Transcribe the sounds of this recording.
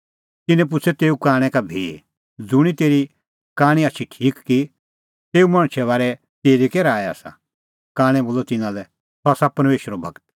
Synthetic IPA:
t̪ɪnɛ̃p̬ʊt͡sʰɛt̪eːukaːɽ̃ɛ̃kabʱiː | d͡zʊɽ̃it̪eːɾi | kãːɽ̃ĩatːt͡ʃʰiʈʰiːkːi | t̪eːumɐɽ̃t͡ʃʰɛβaːɾɛ | t̪eːɾikɛɾaːɛa̰ːsa̰ | kãːɽ̃ɛ̃boːlɔt̪ɪnãlɛ | sɔasapɐɾmeːʃəɾobʱɐɡt̪

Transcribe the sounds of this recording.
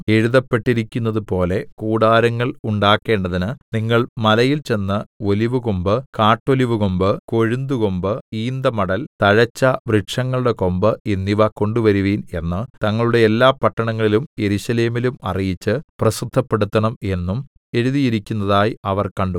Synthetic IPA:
e̞ɻuðɐpːe̞ʈːiɾikʲːunːɐðupo̞ːle̞kuːɽaːɾɐŋːɐɭuɳɖaːkːe̞ːɳɖɐðinɨniŋːɐɭmɐlɐjilt͡ɕe̞nːɨo̞liʋɨkombɨkaːʈːoliʋuko̞mbɨko̞ɻund̪ukombɨiːnd̪ɐmɐɽɐlt̪ɐɻɐt͡ɕːɐʋriʈʂɐŋːɐɭuɽe̞ko̞mbɨenːiʋɐko̞ɳɖuʋɐɾuʋiːne̞nːɨt̪ɐŋːɐɭuɽe̞ːlːaːpɐʈːɐɳɐŋːɐɭilumje̞ɾuɕɐle̞ːmilumɐ̰rijit͡ɕːɨprɐsud̪ʱːɐpːe̞ɽut̪ːɐɳɐme̞nːum | e̞ɻuðijiɾikʲːunːɐðaːjiɐʋɐrkɐɳɖu

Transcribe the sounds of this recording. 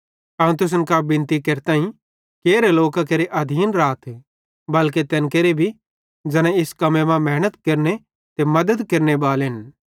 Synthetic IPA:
ɐ̃ːũt̪̬ʊs̬ənkabɪ̃nt̪ikeɾt̪ãːĩ | keːɾeloːkak̬eɾeʔɐd̪ʱiːnɾaːt̪ʰː | bɐlket̪ɛːnkeɾebʱi | d͡ʒɐñãɪskɐmẽmãmɛːñət̪kɐɾne | t̪emɐd̪əd̪kɐɾnebaːlɦɪn

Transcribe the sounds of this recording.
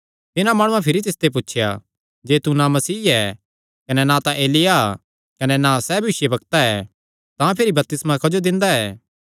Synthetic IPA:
t̪ɪnãmaːɽ̃ʊ̃ãpʰɪɾit̪ɪst̪ep̬utːʃʰja̰ | d͡ʒeːt̪unãmɐsiːɛː | kɐnɛnãt̪ãʔeːlɪja | kɐnɛnãsɛːbʱɪʃjebɐkt̪aɛ | t̪ãpʰɪɾibɐp̚t̪ɪsmãkɐd͡ʒod̪ɪ̃nd̪aɛː

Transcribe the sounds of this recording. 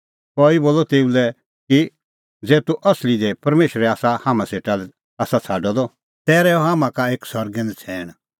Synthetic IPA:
kɔːiboːlɔt̪eːulɛ | ki | d͡zɛːt̪uʔɐslid̪ɛpɐɾmeːʃɾɛaːsahaːmãseːʈalɛ | aːsat͡sʰaːɖɔd̪ɔ | t̪ɛːɾɛɔɦaːmãkaeːksɔɾɡɛ̃nd̪t͡sʰɛːɽ̃

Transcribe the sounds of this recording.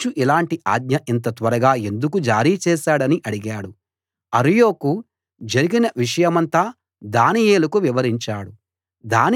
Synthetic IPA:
t͡ʃuʔilaːɳʈiʔaːɡ̪ɲɐʔint̪̬ɐt̪ʋɐɾɐɡaːe̞nd̪ukud͡ʒaːɾiːt͡ʃɛːʃaːɽɐniʔɐɽiɡaːɽu | ɐɾijo̞ːku | d͡ʒɐɾiɡinɐʋiʂɐjɐmɐnt̪aː | d̪aːnijeːlukuʋiʋɐɾiɲt͡ʃaːɽu | d̪aːn

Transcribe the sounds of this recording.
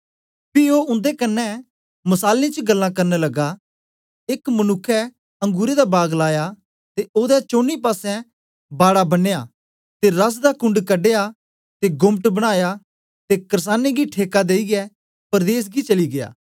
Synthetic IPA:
pioːʊ̃nd̪ekɐnːɛ | mɐsaːlĩt͡ʃəɡɐlːãkɐɾnelɐɡa | ekmɐnʊkʰːɛ | ɐ̃ŋɡuːɾed̪abaːɡlaːja | t̪eoːd̪ɛt͡ʃoːnːipaːsɛ̃ | baːɽabɐnejaː | t̪eɾɐs̬d̪akʊ̃ɳɖkɐɖeja | t̪eɡʊmʈbɐɽ̃aːja | t̪ekɐɾs̬aːneɡiʈʰeːkad̪eːiɡɛ | pɐɾd̪eːs̬ɡit͡ʃɐliɡɪja̰ː

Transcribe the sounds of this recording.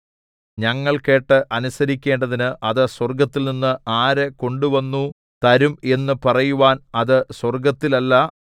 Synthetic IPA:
ɲɐŋːɐɭke̞ːʈːɨʔɐnusɐɾikʲːe̞ːɳɖɐðinɨʔɐðɨswɐrɡɐt̪ːilninːɨaːɾeko̞ɳɖuʋɐnːu | t̪ɐɾume̞nːɨpɐrɐjuʋaːnɐðɨswɐrɡɐt̪ːilɐlːɐ

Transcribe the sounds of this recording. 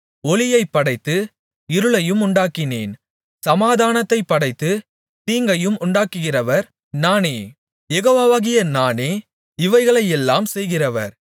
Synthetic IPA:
ɔlɪjɐɪpːɐɽɐɪt̪ːɯ | ɪɾɯɭɐjɯmʊɳɖaːkːɪneːn | sɐmaːðaːnɐt̪ːɐɪpːɐɽɐɪt̪ːɯ | t̪iːŋɡɐjɯmʊɳɖaːkːɯɣɪrɐʋɐɾ | naːneː | jɛɣoːʋaːʋaːɣɪjɐnaːneː | ɪʋɐɪɣɐɭɐjɛlːaːmsɛjɣɪrɐʋɐ̰ɾ

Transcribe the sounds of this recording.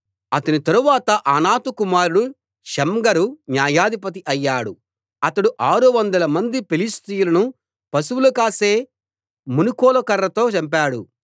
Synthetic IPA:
ɐt̪ɐnit̪ɐɾuʋaːt̪ɐʔanaːt̪ukumaːɾuɽu | ʃɐmɡɐɾunjaːjaːd̪ipɐt̪̬iʔɐjːaːɽu | ɐt̪ɐɽuʔaːɾuʋɐnd̪ɐlɐmɐnd̪ipelist̪ijulɐnu | pɐsuwulukaːse̞ː | munukɔːlɐkɐɾːɐt̪o̞ːt͡ʃɐmpaːɽṵ

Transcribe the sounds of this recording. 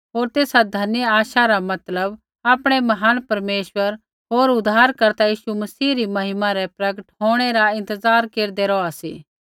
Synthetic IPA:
ɦoːɾt̪eːsad̪ʱɐnjəaːʃaɾamɐt̪ləb | aːpɽ̃emɐɦaːnpɐɾmeːʃwəɾ | ɦoːɾʊd̪ʱːaːɾkɐɾt̪ajiːʃumɐsiːɾimɐɦɪmãɾɛpɾɐɡəʈɦoːɽ̃ɛɾaɪ̃nt̪əzaːɾkeːɾd̪eɾɔasḭː

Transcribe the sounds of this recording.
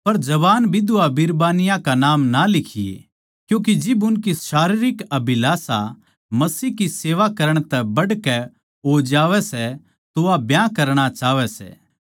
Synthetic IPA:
pɐɾd͡ʒɐbaːnbʱid̪ʊabɪɾbaːnɪjãkanaːmnalɪkʰɪjḛ | kjũːk̬id͡ʒɪbʊnkiʃaːɾiɾɪkɐbʱɪlaːsa | mɐsiːɦkiseːʋakɐɾəɽ̃t̪ɛbɐɽkɛ | ɦoːd͡ʒaːʋɛsɛ | t̪ʊabjãkɐɾɽ̃at͡ʃaːʋɛsɛ̰ː

